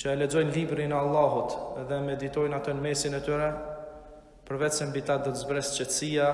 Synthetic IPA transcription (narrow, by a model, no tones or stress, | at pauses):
t͡ʃəɛlɛd͡zɔjnlibɾinɛalˠːaɦut̪ðɛmɛd̪it̪ɔjnat̪ɛnmɛsinɛt̪yɾɛ | pəɾvɛt̪sɛmbit̪ad̪ɔt̪əzbɾɛst͡ʃɛt̪sia